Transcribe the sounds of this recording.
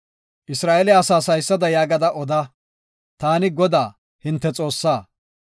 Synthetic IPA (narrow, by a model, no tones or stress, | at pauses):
ʔɪsɾaːʔɛlɛɐsaːsɐjsːɐd̪ɐjaːɡɐd̪ɐʔɔd̪ɐ | t̪aːnɪɡɔd̪aː | hɪnt̪ːɛt͡sʼo̞ːsːaː